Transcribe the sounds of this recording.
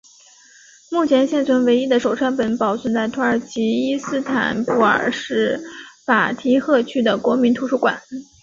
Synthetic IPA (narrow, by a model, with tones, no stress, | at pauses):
mu˥˩t͡ɕʰjɛ˧˥nɕjɛ˥˩nt͡sʰwə˧˥nwe˧˥ɪi˥d̪ə˨ʂo˨˩ʊʈ͡ʂʰwa˥npə˧˩npɑ˨˩ʊswə˥˩nt͡sa˥˩ɪt̪ʰu˧˥ə˞˨˩t͡ɕʰi˧˥i˥sɹ̩˥t̪ʰa̰˨˩npu˥˩ə̰˞˨˩ʂɻ̩˥˩fa˨˩t̪ʰi˧˥xɤ˥˧t͡ɕʰy˥d̪ə˨kwɔ˧˥mi˧˥nt̪ʰu˧˥ʂu˥˩kwa̰˨˩˦n